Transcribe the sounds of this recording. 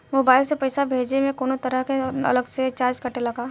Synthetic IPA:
moːbaːɪlsepɐɪsabʱeːd͡ʒnemẽkoːnot̪ɐɾəɦkeɐ̰ləɡset͡ʃaːɾd͡ʒkɐʈelɐɡaː

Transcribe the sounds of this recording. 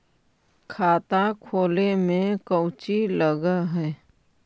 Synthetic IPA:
kʰaːt̪akʰoːlemẽkəwt͡ʃiləɡəɦɛː

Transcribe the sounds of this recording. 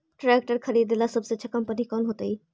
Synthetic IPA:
ʈɾɛːk̚ʈəɾkʰɐɾiːd̪ɪlasɐbseətːʃʰakɐ̃mpənikɔːnɦoːt̪aiː

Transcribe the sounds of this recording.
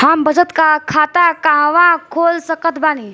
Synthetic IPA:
ambəd͡zət̪kakʰat̪akãʋãkʰolsəkət̪baːni

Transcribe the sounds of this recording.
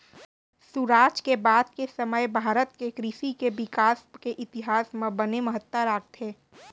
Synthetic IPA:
suɾaːd͡ʒkebaːd̪kesɐməjbʱaːɾət̪kekɾisikebɪkaːskeʔɪt̪ɪɦaːsmẽbənemɐɦət̪ːəɾaːk̚t̪ɦeː

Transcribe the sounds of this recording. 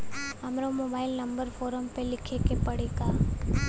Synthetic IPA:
amɾomoːbaːɪlnɐmbəɾfʰoːɾəmpelɪkʰekepəɽeka

